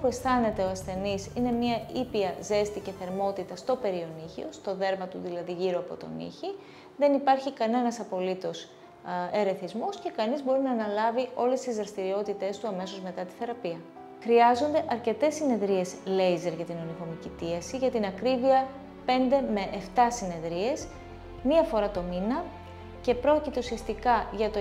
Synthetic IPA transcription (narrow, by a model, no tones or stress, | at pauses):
opue̞st̪ɐne̞t̪e̞oɐsθe̞nisine̞mɲɐipiɐze̞st̪iceθe̞ɾmo̞t̪it̪ɐst̪o̞pe̞ɾio̞niçḭo̞st̪o̞ðe̞ɾmɐt̪uðilɐðiʝiɾoɐpo̞̰t̪o̞̰nḭçi | ðe̞nipɐɾçikɐne̞nɐsɐpo̞lit̪o̞s | e̞ɾe̞θizmo̞sce̞kɐnizbo̞ɾinɐːnɐlɐvio̞le̞st̪izðɾɐst̪iɾio̞t̪it̪e̞st̪uɐme̞so̞zme̞t̪ɐt̪i̥θe̞ɾɐpiɐ | xɾiɐzo̞nd̪e̞ʔɐɾce̞t̪e̞sːine̞ðɾie̞sle̞jze̞ɾʝɐt̪ino̞niɣo̞micit̪iɐsiʝɐt̪inɐkɾiviɐ | pe̞nd̪e̞me̞ʔeft̪ɐsine̞ðɾie̞s | miɐfo̞ɾɐt̪o̞minɐ | ce̞pɾo̞cit̪e̞usiɐst̪ikɐʝɐt̪o